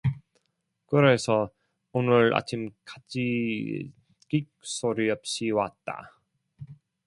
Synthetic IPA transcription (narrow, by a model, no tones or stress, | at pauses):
kɯɾe̞sʰʌ | onɯɾa̰t͡ɕʰimkḁt͡ɕʰḭ | kik̚s͈oɾiʌp̚ɕ͈iwat̚t͈a̰